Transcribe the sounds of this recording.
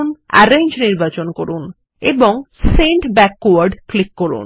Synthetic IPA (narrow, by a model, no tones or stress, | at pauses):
na̰ɾeɲd͡ʑniɾbat͡ɕonkoɾun | ḛboŋseɳʈbɛkːoaɾɖklikːoɾṵn